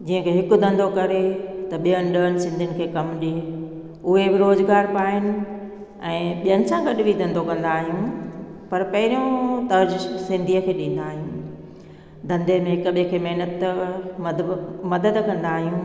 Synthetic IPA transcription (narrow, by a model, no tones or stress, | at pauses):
d͡ʑiːə̃kʰeːɦɪkʊ̆d̪ʱɐ̃nd̪ʱokɐɾet̪ɐɓijənɪɗəənɪ̆sɪ̃nd̪ʱiɪnɪkʰeːkɐmɗie | ʊɦebɪɾoːzɡaːɾpaːɦɪnɪ̆ | ɛ̃ːɓijənɪ̆sãɡɐɗɪbʱid̪ɐ̃nd̪ʱokɐ̃nd̪aːɦijũpɐɾpɐɦɪɾijõt̪ɐɾd͡ʑsɪ̃nd̪ʱijəkʰeːɗĩːn̆d̪aːɦijũː | d̪ɐ̃nd̪emẽɦɪkʊɓɪ̃kʰeːmeɦnət̪mmɐd̪əd̪kɐ̃nd̪aːɦijũː